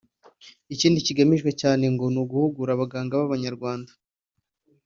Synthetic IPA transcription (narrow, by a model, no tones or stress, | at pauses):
iciːndiciɡamiʒɡwe̞caːne̞ŋɡo̞nuɡuhuɡuɾaβaɡaːŋɡaβaβaɲaɾɡwaːndḁ